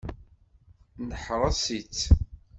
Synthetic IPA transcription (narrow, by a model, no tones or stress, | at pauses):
nəħɾˤɑsit͡sː